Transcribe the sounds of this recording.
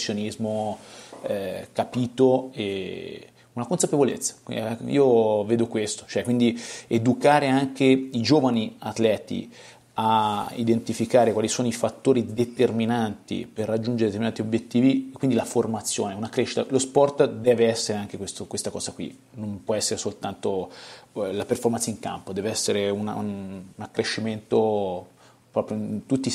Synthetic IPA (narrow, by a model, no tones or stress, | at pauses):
sːjonizmo | ɛkapiːt̪oe | unakonsapevolḛt̪sːḁ̰ḭːoveːd̪okwest̪o̥t͡ʃoɛkwind̪ied̪ukaːɾeaŋkeid͡ʒoːvaniat̪lɛːt̪ḭ | aḭd̪ent̪ifikaːɾekwalisoːnoifat̪ːoːɾid̪et̪erminant̪ḭperːad͡ʒːund͡ʒeɾed̪et̪eɾminat̪iobjet̪ːiːviekːwind̪ilaformat̪sːjoːneunakɾeʃːi̥t̪alospɔrt̪d̪ɛːveɛsːeɾeaŋk̟ekwest̪okwest̪akɔ̰ːzakwḭ | nõmpwɔɛsːeɾesolt̪ant̪o | laperformansiŋka̰mpod̪ɛːveɛsːeɾeuna̰nnakːɾeʃːiment̪o | pɾɔːpɾjoint̪ut̪ːi